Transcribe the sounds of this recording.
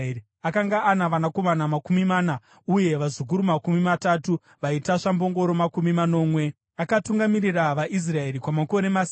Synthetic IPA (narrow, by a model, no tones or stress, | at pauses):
akaŋɡaʔːnaʋanako̞manamakumimaːna | uje̞ʋazuk̬uɾumakumimatatu | ʋaitaʂambo̞ŋɡo̞ɾo̞makumimano̞ːmwe̞ | akatuŋɡamiɾiraʋaʔis̬rae̞ɾikwamako̞ɾe̞mas